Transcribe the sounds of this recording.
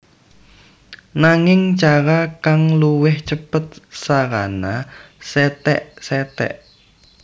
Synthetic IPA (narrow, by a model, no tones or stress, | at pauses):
naŋɪŋt͡ʃaɾakaŋluwɪht͡ʃəpət̪̚saɾanasɛt̪ɛ̰ʔsɛt̪ɛ̰ʔ